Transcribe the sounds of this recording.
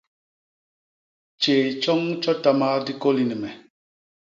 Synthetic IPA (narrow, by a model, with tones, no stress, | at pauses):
t͡ʃe˨t͡ʃɔ˦ŋt͡ʃɔ˦ta˦ma˦di˦ko˦li˦nɨ˨mɛ˨